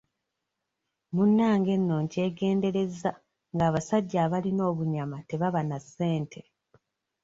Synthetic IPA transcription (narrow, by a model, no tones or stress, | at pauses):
munːaːŋɡe̞nːo̞ːɲce̞ːɡe̞ːnde̞ɾe̞za | ŋɡaːβasaɟːaːβalino̞ːβuɲamate̞βaβanasːe̞ːntʰe̞